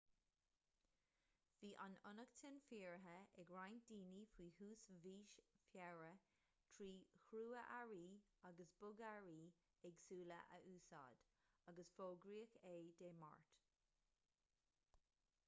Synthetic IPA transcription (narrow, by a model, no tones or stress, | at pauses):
v̥iːʔanʊnəktʰɪnfiːɹɦəɛɡɹajnd̥iːnifwiːhuːsviːʃfjɛɹə | t̪ʰɹiːxɾuːəʔaɹiːaɡəsb̥ʊɡaɹiː | ɛɡsuːlə̰ʔə̰ʔuːsɑ̰ːd̥ | aɡəsfoːɡɹiːəkeːd̥̪eːma̰ɹt̪